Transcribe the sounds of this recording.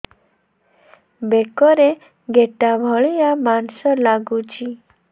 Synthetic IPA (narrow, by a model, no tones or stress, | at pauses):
bekɔɾe | ɡeʈabʱɔɭijamansɔlaɡut͡ʃʰi